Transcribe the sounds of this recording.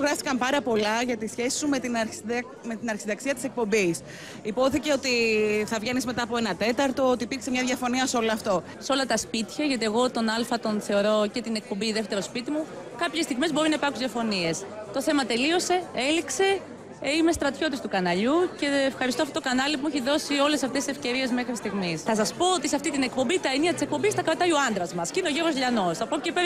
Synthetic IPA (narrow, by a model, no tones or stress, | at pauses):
oɣɾɐft̪i̥kɐmpɐɾɐpo̞lɐʝɐt̪isçe̞si̥sume̞t̪in | me̞t̪inɐɾçisiðɐksiɐt̪ise̞k̚po̞mbis | ipo̞θice̞o̞t̪iθɐvʝenizme̞t̪ɐːpoe̞nɐt̪e̞t̪ɐɾt̪o̞ot̪ipiɾksemɲɐðʝɐfo̞niɐseo̞loɐft̪o̞ | seo̞lɐt̪ɐspit̪çɐʝɐt̪ie̞ɣo̞t̪o̞nɐlfɐt̪o̞nθe̞o̞ɾo̞ce̞t̪ine̞k̚po̞mbiðeft̪e̞ɾo̞spit̪imukɐpçest̪iɣmezbo̞ɾinɐipɐɾkuzðʝɐfo̞nie̞st̪o̞θe̞mɐt̪e̞lio̞se̞e̞likse̞ | imest̪ɾɐt̪ço̞t̪ist̪ukɐnɐʎuce̞ːfxɐɾist̪oft̪ot̪kɐnɐlipumeçiðo̞sio̞le̞sɐft̪esisefce̞ɾie̞zme̞xɾist̪iɣmisθɐsɐspo̞ot̪isɐft̪it̪inek̚po̞mbit̪ɐeniɐt̪i̥sek̚po̞mbist̪ɐkɾɐt̪ɐjoɐnd̪ɾɐzmɐscineoʝeɾvo̞zʎɐno̞sθɐpoceipe